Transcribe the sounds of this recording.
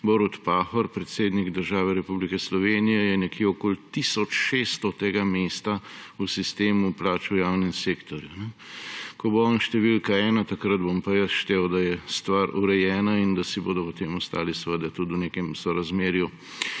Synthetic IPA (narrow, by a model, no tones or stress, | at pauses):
boɾut̪paːxɔɾpɾɛt̪seːd̪niɡd̪əɾʒaːʋɛɾɛpublikɛslɔʋeːnijɛjɛnɛkjeɔkoːlt̪isɔt͡ʃʃest̪ɔt̪eːɡameːst̪ausist̪eːmuplaːt͡ʃujaːwnɛmseːkt̪ɔɾjunɛkɔboɔnʃt̪ɛʋilkaɛːnat̪akɾəd̪bompajəʃt̪ewd̪ajɛst̪ʋaːɾuɾɛjɛːnaind̪asiboːd̪ɔpɔt̪eːmɔst̪a̰ːlisʋəd̪ɛt̪ud̪wneːkɛmsɔɾazmeːɾju